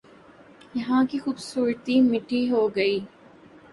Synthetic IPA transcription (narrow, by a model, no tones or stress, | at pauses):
iɦãːkixubsuːɾt̪iːmiʈiːɦoːɡɐiː